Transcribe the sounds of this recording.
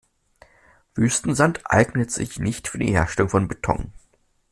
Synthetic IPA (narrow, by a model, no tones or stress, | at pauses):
vyːstn̩zantʔa̰ɪɡnətz̥ɪ̰çnɪçtfyːɐdḭːɦeːɐʃtɛlʊŋfɔnbetʰɔ̰ŋ